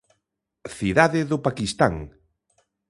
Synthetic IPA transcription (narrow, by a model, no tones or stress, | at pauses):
θiðaðɪðʊpakist̪aŋ